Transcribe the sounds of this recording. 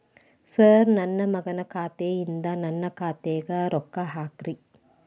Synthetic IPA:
sɐɾnɐnːɐmɐɡɐnɐkʰaːt̪eːjind̪ɐnɐnːɐkaːt̪eːɡɐɾɔkːɐɦaːkɾi

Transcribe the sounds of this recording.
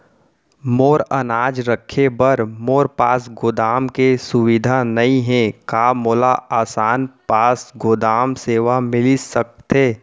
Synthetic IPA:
moːɾənaːd͡ʒɾəkʰebəɾmoːɾpaːsɡoːd̪aːmkesʊʋɪd̪ʱanɐĩɦɛ̃kaːmoːlaaːsaːnpaːsɡoːd̪aːmseːʋamɪlisək̚t̪eː

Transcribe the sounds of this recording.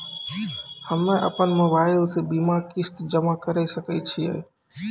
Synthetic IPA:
həmẽʔə̰pənmoːbaːɪlsẽbimakɪst̪d͡ʒəmakəɾesəket͡ʃʰiə̰ɦ

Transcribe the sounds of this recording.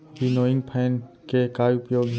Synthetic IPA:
binoːɪŋɡpʰɛːn | keːkaːjʊpjoːɡ

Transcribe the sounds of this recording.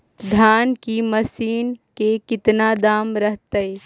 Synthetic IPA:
d̪ʱaːnkimɐsiːnkekɪt̪nad̪aːmɾəɦt̪əj

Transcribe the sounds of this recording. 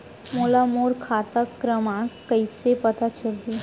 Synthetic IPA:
moːlamoːɾkʰaːt̪əkːɾəmãkəisepɐt̪at͡ʃɐlie

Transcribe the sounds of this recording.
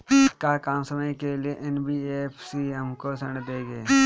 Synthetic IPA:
kakaːmsəməjkelieʔɛnbiːeːpʰsiɦɐmkosə̃ɳd̪eːɡeː

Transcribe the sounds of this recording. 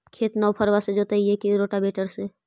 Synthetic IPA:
kʰeːt̪nɔːpʰəɾʋased͡ʒoːt̪aiɦekiɾoːʈabeːʈəɾse

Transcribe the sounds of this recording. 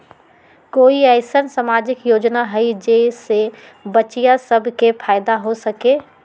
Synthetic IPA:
koːiɛːɪsənsamaːd͡ʒɪkjoːd͡ʒnaɦəid͡ʒese | bət͡ʃijasəbʱkepʰaːɪd̪aɦosəkeː

